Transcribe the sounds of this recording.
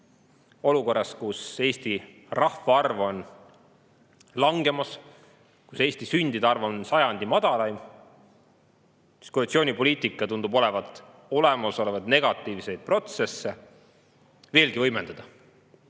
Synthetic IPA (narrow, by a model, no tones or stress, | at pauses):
o̞luko̞rːɑskuse̞ːst̪i | rɑhfɑɑrvo̞n | lɑŋɡ̥e̞mɑs | ku̥se̞ːst̪isynʲd̪id̪̥ɑrvo̞nsɑjɑnʲd̪̥imɑd̪̥ɑlɑj | i̥skorut̪sio̞ːnʲipo̞lʲiːt̪ˑikːˑɑt̪und̪ubo̞lɛ̞vɑt̪ːˑ | o̞le̞mɑso̞levɑd̪̥ne̞ɡ̥ɑt̪ːˑiːvse̞jd̪̥̚pro̞t̪se̞sːe̞ | ve̞ːlɡivɤjme̞nd̪ɑd̪̥ɑ